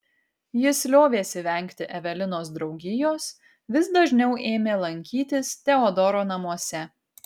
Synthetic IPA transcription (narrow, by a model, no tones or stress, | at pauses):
jɪsʲlʲoːʋʲeːsʲɪʋʲɛˑŋʲˑkt̪ʲɪʔɛʋʲɛlʲɪnoːsd̪ɾɒʊɡʲɪjoːs | ʋʲɪsd̪ɐʒʲnʲɛʊʔeːmʲeːlˠɐŋʲkʲiːt̪ʲɪst̪ʲɛɔd̪ɔɾoːnɐmuɔsʲɛ